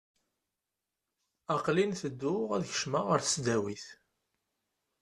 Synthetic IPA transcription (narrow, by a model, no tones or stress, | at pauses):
ɑqlinθəd̪ːʊʁæðçə̥ʃmaʁəɾθəsd̪æwiθ